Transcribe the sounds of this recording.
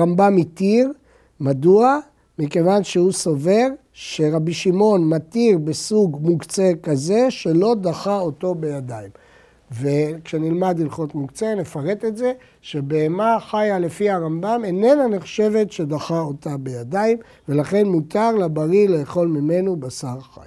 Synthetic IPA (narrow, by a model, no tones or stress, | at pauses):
ʁambamit̪iʁ | madua | mike̞vanʃehusove̞ʁ | ʃe̞ʁabiʃimo̞nmat̪iʁbesuɡmuɡt͡sekaze̞ʃe̞lo̞d̪aχao̞to̞be̞jad̪aim | vekʃenilmadilχo̞tmuɡt͡se̞ne̞faʁe̞t̪e̞tze̞ | ʃe̞beːmaχajale̞fihaʁambamene̞nane̞χʃe̞ve̞tʃe̞d̪aχao̞tabe̞jadaim | ve̞laχe̞nmutaʁlabaʁile̞ːχo̞lmime̞nubasaʁχa̰j